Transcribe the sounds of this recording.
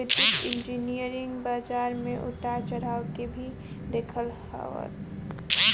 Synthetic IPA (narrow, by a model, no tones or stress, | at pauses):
ɪt̪ɪkɪ̃nd͡ʒinijəɾɪ̃ŋɡbaːd͡ʒaːɾmẽʔʊʈat͡ʃəɾaːʊkebʱi | d̪eːkʰəlha̰ʋə̰t̪